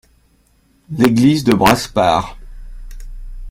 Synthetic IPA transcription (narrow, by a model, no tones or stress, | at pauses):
leɡlizd̪əbʁaspaːʁ